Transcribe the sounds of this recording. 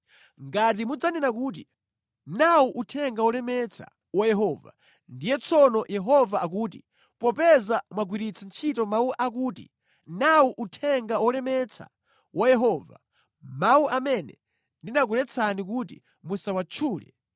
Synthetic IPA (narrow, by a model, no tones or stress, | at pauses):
ŋɡat̬imud͡zanɛnakuːt̬i | nawuʔutʰɛŋɡawɔlɛmɛt͡sʰa̰ | wajɛɦɔːva̰ | ndijɛt͡sʰɔnɔjɛɦɔvaːkuːti | pɔpɛzamwaɡwiɾit͡sʰant͡ʃʰitɔmauʔakuːtḭ | nawuʔutʰɛŋɡawɔlɛmɛt͡sʰa̰ | wajɛɦɔːva̰ | mauʔamɛnɛ | ndinak̬uɾɛt͡sʰanik̬uːt̬ḭ | musawat͡ʃʰuːlɛ̰